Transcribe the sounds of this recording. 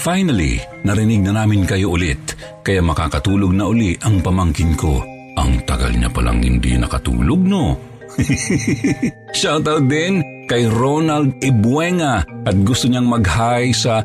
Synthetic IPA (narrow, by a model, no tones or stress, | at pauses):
fajnɐlḭ | nɐɾɪnɪɡ̚nɐnaːmɪnkɐjoʔʊlɪt̪̚ | kɐjamɐka̰ːkɐt̪uːloɡ̚nɐʔʊliʔɐŋpɐmaŋkɪnko̰ | ʔɐ̰ŋt̪ɐɡa̰lɲa̰pɐlʔa̰ŋhɪ̰nd̪ḭnɐ̰kɐt̪ṵːloɡ̚no | ʃawt̪awd̪ɛn | kɐjɾonɐld̪̚ɛbwɛŋɐʔɐt̪̚ɡʊst̪ʊɲaŋmɐɡhajsɐ